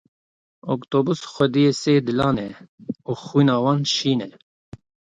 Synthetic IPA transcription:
okt̪oːbusxʷɛd̪ijeseːd̪ɨlɑːnɛuxiːnɑːwɑːnʃiːnɛ

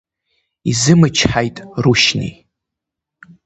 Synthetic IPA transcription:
izɨmɨt͡ʃʰħajtʼruʃnḭ

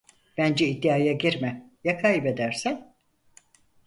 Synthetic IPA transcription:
b̥ænd͡ʒɛid̪ːiaːjaɟiɾmɛjakʰaːjbe̞d̪æɾsæn

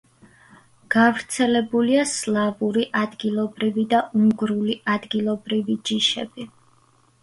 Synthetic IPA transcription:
ɡ̥avɾt̪sʰɛlɛbuliaslˠavuɾiʔad̪ɡilˠɔbɾivid̪aʔuŋɡɾuliʔad̪ɡilˠɔbɾivid͡ʒiʃɛb̥i

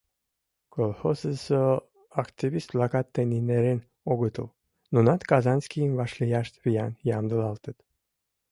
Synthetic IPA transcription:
kʰolxosəso | akt̪ivist̪plakat̪ːenineɾen | oɡut̪ṵl | nunat̪kazanskimvaʃlijaʃt̪vijanjamd̪əlɑlt̪ət̪

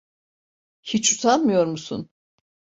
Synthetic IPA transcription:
hit͡ʃut̪ʰanmɯjo̞ɾmusṵn

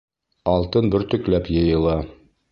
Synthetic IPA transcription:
ɒlˠt̪ɤnbɵɾt̪ɵ̆klæpjɤ̆jɤ̆lˠɑ

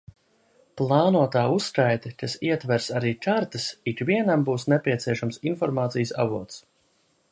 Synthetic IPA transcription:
plˠaːnuɔt̪aːusːkajt̪ekasiɛt̪væɾsaɾiːkaɾt̪əsikviɛnambuːsnepʲiɛt̪siɛʃamsinfɔɾmaːt̪sijəsa̰vuɔt̪s

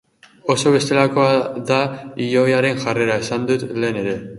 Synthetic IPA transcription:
o̞so̞βe̞st̪e̞lako̞aðaiʎo̞jaɾe̞nʝare̞ɾae̞sand̪ut̪le̞ːne̞ɾe̞

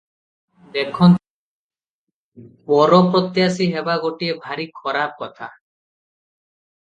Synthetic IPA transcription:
d̪ekʰɔn | bɔɾɔpɾɔt̪jasiɦebaɡoʈiebʱaɾikʰɔɾab̚kɔt̪ʰa

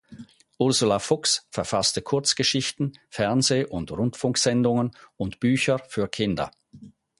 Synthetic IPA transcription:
ʔʊʁzʊlafʊksfɛɐfastəkʰʊɐt͡sɡ̥əʃɪçtn̩fɛɐnzeːʔʊndʁʊntfʊŋkz̥ɛndʊŋənʊntb̥yːçəfyːɐkʰɪndɐ̰

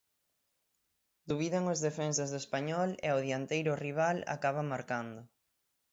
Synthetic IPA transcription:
d̪uβiðeŋozðefɛns̬azðoespaɲɔlɛ̰oðjant̪ejɾʊriβ̞ala̰kaβamaɾkand̪ʊ

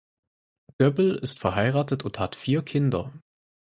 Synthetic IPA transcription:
ɡ̥œbl̩ɪstfɛɐɦaɪʁaːtətʊnthatfiːɐkʰɪndɐ̰

